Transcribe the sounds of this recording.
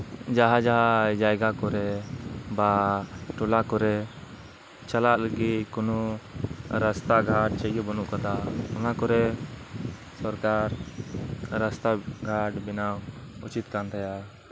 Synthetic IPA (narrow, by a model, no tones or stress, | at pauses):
d͡ʒaɦad͡ʒaɦad͡ʒajɡakɔɾɛbaʈɔlakɔɾɛ | t͡ʃalaʔləɡit̪kɔnɔ | ɾast̪aɡʱaʈ̚t͡ʃəjɡɛbɔnuʔkad̪aɔnakɔɾɛ | sɔɾkaɾ | ɾast̪aɡʱaʈbinawut͡ʃit̪̚kanɾɛja